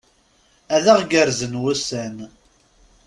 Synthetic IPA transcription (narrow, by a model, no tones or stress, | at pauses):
æðæʁɡəɾzənwæsæn